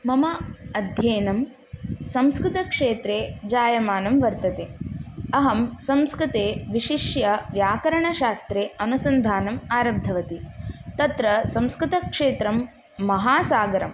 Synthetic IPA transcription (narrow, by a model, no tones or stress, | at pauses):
mɐmɐɐd̪ʱjeːnɐm | sɐmskɾɪt̪ɐkʂeːt̪ɾeːd͡ʒaːjɐmaːnɐmʋɐɾt̪ɐt̪eːɐɦɐmsɐmskɾɪt̪eːʋiʃiʂjɐʋjaːkɐɾɐɳɐʃaːst̪ɾeːɐnusɐnd̪ʱaːnɐmaːɾɐbd̪ʱɐʋɐt̪it̪ɐt̪ɾɐsɐ̃mskɾɪt̪ɐkʂeːt̪ɾɐmː | ɐɦaːsaːɡɐɾɐm